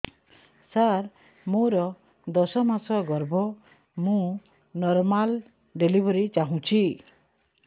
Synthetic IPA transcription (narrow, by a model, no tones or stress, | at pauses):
saɾ | moɾɔ | d̪ɔsɔmasɔɡɔɾbʱɔ | mũ | nɔɾmal | ɖelibʱɔɾit͡ʃaɦũt͡ʃʰi